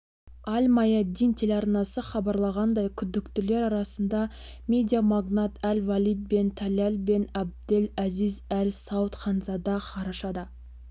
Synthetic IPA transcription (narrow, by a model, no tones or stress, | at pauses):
ɑlʲmɑjɑd̪ːijnt̪ʰe̞leɑrnɑsəχɑbɑɾlˠɑʁɑnd̪ɑjkʲʰʏd̪ːɪkt̪ɪle̞ɾɑɾɑsənd̪ɑ | mʲe̞d̪ijamɑɡnɑt̪ʰælʲvalʲid̪̚be̞nt̪ʰɑlʲelbe̞nɑb̚d̪ɪlæzizælʲsɑwt̪χɑnzɑd̪ɑqʰɑɾɑʃɑd̪ə